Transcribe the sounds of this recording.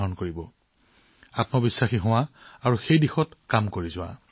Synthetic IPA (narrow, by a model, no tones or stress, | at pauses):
ɦɔnkoɹibɔ | apnɔbisːaxiɦɔ̃w̃ãaɹuxejdixɔtkamkoɹizʊwa̰